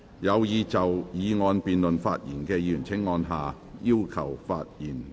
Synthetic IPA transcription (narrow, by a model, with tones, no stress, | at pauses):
jɐ˨˧wjiː˨˧t͡sɐ˨wjiː˨˧ŋɔː˧npiː˨nlɵ˨˩nfa̰ː˧t̚jiː˨˩nkɛː˧jyː˨˩nt͡sʰɪ˨˥ŋːɔː˧nɦaː˨ | jiː˥wkʰɐ˨˩wfaː˧t̚jiː˨˩n